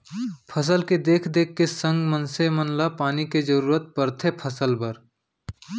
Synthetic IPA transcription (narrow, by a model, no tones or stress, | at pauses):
pʰəs̬əlked̪eːkʰd̪eːkʰːesə̃ŋɡmənsemənlapaːniked͡ʒəɾuːɾət̪̚pəɾt̪ʰepʰəsəlbəɾ